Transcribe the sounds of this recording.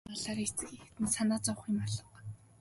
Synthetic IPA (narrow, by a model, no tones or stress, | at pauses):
aɮaːɾit͡sɘ̆xixt̪ɘ̆nsanaːt͡sɔwχiːmɔɮɞ̆q